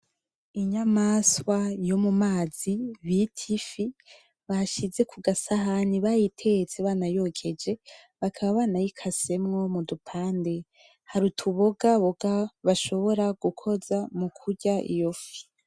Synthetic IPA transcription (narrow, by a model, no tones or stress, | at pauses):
iɲamaswajo̞mumaːz̥iβitʰifi | βaʃize̞kʰuɡasaɦaniβajitʰe̞et͡seβaːnajo̞kʰe̞d͡ʒe̞ | βakʰaβaβaːnajikʰase̞mŋo̞mudupʰaːnde̞ | haɾutʰuβoɡaβoɡaβaʃo̞βo̞ɾaɡ̥ukʰo̞zamukʰuɟaʔḭjo̞fi̥